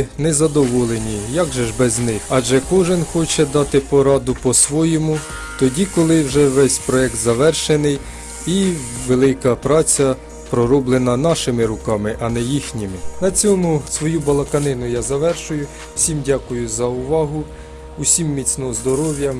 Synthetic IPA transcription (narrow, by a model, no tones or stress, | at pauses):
nɛzɐd̪ɔʋɔlˠenʲijɑɡʒɛʒbɛznɪxɑʒɛkɔʒɪnxɔt͡ʃɛd̪ɑt̪ɪpɔɾɑd̪ʊpɔsʋɔjɔmʊ | t̪ɔdʲikɔlˠɪwʒɛʋɛsʲpɾɔɛk̚t̪zɐʋɛrʃenɪj | iʋelˠɪkɐpɾɑt͡sʲɐ | pɾɔɾɔblˠenɐnɑʃɪmɪɾʊkɑmɪʔɐnɛjixnʲimɪnɐt͡sʲɔmʊsʋɔjubɐlˠɐkɐnɪnʊjazɐʋɛrʃʊjʊ | w̥sʲimdʲɑkʊjʊzɐʊʋɑɦʊ | ʊsʲimːʲit͡sʲnɔɦɔzd̪ɔɾɔʋʲjɐ